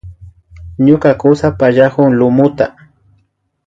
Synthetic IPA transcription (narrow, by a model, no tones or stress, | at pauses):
ɲʊkakʊsapaʎahʊŋlʊmʊt̪a